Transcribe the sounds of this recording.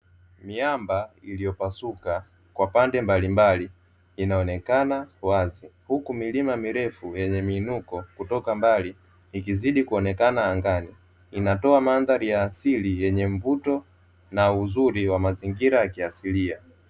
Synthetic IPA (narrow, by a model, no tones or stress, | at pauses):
miambailijɔpasuka | kwapandɛmbalimbaliː | naɔnɛkanawazihukumilimamiɾɛfujɛɲɛmiːnukɔkutɔkambaliː | kiziɗikuɔnɛkanaːŋɡani | inatɔamanðaɾijaːsilijɛɲɛmvutɔ | nauzuɾiwamaziŋɡiɾajakiasilia